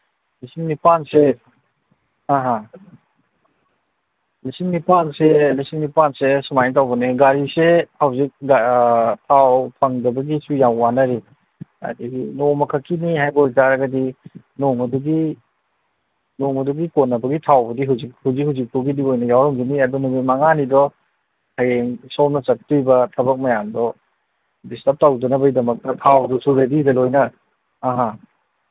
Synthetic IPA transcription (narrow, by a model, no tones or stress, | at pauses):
lisimnipanse | aɦa | lisimnipanselisimnipansesumajnt̬awbɐniɡaɾisehawzik̚ɡtʰawpʰaŋdɐbɐɡisujawwanɐɾi | ɐ̰diinomɐkʰakʰiniɦajboɾtaɾɐɡɐdi | noŋɐduɡi | noŋɐduɡikonːɐbɐɡitʰawbɐdiɦuzik̚huwzik̚huwzik̚puɡidiojnɐjawɾɐmɡiniɐdɔnumimaŋanidɔ | hajeŋsɔmnɐt͡ʃɐk̚tujbɐtʰɐbɐk̚majamdɔ | distɐp̚tawdɔnɐbɐjdɐmɐk̚tɐtʰawdɔsuɾedidɐlojnɐː | ɦa